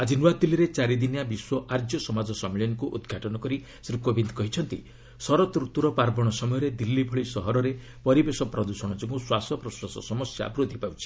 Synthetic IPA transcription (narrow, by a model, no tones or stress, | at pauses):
ad͡ʒinuat̪iliɾet͡ʃaɾid̪injabiswɔʔaɾd͡ʒjɔsɔmad͡ʒɔsɔmiljɔnɔkuʔud̪ɡʱaʈɔnɔkɔɾi | sɾikobind̪ʱɔkɔɦit͡ʃʰɔnt̪ḭ | sɔɾɔt̪ɾut̪uɾɔpaɾbɔɽ̃ɔsɔmɔjɔɾed̪ilːibʱɔɭisɔɦɔɾɔɾe | pɔɾibesɔpɾɔd̪usɔɽ̃ɔd͡ʒɔɡuswasɔpɾɔsɾɔsɔ̰sɔmɔsja̰bɾud̪ʱːipawt͡ʃʰi̥